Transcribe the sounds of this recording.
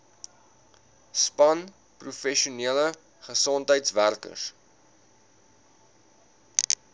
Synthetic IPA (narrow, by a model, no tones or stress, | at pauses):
spɐn | prufɛʃuniələ | χəsɔntɦəjtsværkə̰s